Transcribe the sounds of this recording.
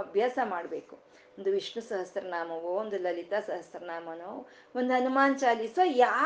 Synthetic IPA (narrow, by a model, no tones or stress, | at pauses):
ɐbʱjaːsɐmaːɽbeːku | ond̪uʋiʂɳusɐɦɐsɾɐnaːmɐʋoond̪ulɐlit̪asɐɦɐsɾɐnaːmɐnoː | ond̪uɦɐnumaːnt͡ʃaːlisʋɐjaː